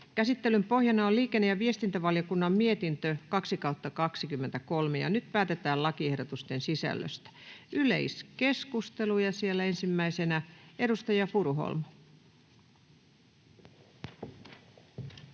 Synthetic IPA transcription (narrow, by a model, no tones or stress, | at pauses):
kæsit̪ːelympo̞hjɑnɑoliːkenːejɑʋie̞st̪int̪æʋɑljokunːɑmmiet̪int̪økɑksikɑut̪ːɑkɑksikymːent̪ækolmejɑ̰nyt̪pæːt̪et̪æːlɑkiehdot̪ust̪ensisæ̰lːø̰st̪æ̥ʔyle̞̰iske̞skust̪e̞lujɑsielːæensimːæisenæe̞dust̪ɑjɑfuɾuɦo̰lmɑ